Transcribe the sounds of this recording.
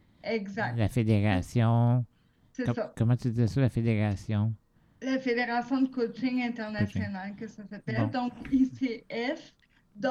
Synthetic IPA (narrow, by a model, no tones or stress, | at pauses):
ɛɡzaklafed̪eʁasjɔ̃ | sesakɔmɑ̃t̪yd̪izɛsɔlafed̪eʁasjɔ̃ | lafed̪eʁasjɔ̃d̪əkot͡ʃɪŋɛ̃t̪ɛʁnasjɔnalkəsasapɛld̪ɔ̃kiseɛf | d̪